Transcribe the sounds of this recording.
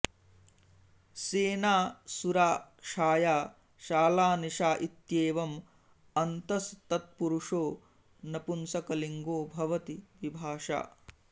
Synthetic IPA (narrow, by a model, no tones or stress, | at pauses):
seːnaːsuɾaːʂaːjaː | ʃaːlaːniʂaːʔit̪jeːʋɐm | ɐnt̪ɐst̪ɐt̪̚puɾuʂoː | nɐpunsɐkɐliŋɡoːbʱɐʋɐt̪iʋibʱaːʂa̰ː